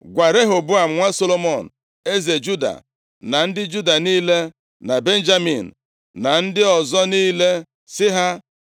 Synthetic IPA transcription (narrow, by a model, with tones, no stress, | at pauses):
ɡʷa˨ɾe˦ɦo˨bʊ˦a˨m̩˨ŋʷa˦so˦lo˦mɔ˨n̩˨ | e˦ze˨d͡ʒu˦da̰˨ | na˨n̩˦dɪ˦d͡ʒu˦da˨niː˦le˦ | na˨be˦n̩˦d͡ʒa˦mi˨n̩˨ | na˨n̩˦dɪ˦ɔ˨zɔ˦niː˦le˦ | sɪ˦ɦa˦